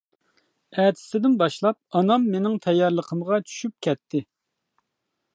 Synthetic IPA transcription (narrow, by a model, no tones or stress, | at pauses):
ɛːt̪ʰɪ̥sɪd̪ɪnbɑʃlˠɑp̚ɑnɑmːenɪŋt̪ʰɛjːɑɾlˠəqʰəmʁɑt͡ʃʰy̥ʃyp̚kʲʰɛt̪ʰːɪ